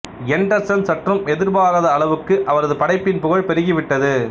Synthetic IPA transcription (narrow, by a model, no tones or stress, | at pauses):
ɛɳɖɐɾsɐnsɐʈrɐmɛðɪɾbaːɾɐðɐːɭɐʋɯkːɯʔɐʋɐɾɐðɯpɐɽɐɪpːɪnpʊɣɐɻpɛɾɯɣiʋɪʈːɐðɯ